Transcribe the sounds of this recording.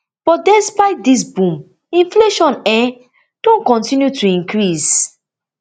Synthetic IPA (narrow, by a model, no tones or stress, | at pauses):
b̥ɔtdɛspaɪt̚dis̬bũm | ĩnfleʃɔ̃nɛ | d̥õnkɔ̃ntĩnjutʰuĩŋkɹis